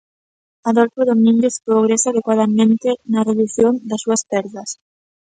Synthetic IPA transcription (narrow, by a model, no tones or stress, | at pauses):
aðolfoðomĩŋɡespɾoɣ̞ɾesaːðekwað̞ɐmẽnt̪enɐreðuθjoŋd̪ɐsːuɐspɛɾðɐs